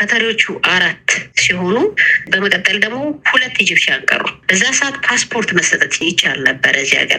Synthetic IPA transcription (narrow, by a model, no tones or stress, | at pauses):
kʰət̪ʰaɾiwo̞t͡ʃːuʔaɾat̪ːsiho̞nubəməkʼət̪ʼːəld̪əɡmo̞hulət̪ːjɪd͡ʒɪβʃiaŋkʼə̰ɾṵbəzːasəʔat̪pʰaspʰo̞ɾt̪məsət̪ʼət̪jɛt͡ʃːalnəbːəɾəɨzːiha̰ɡə̰ɾ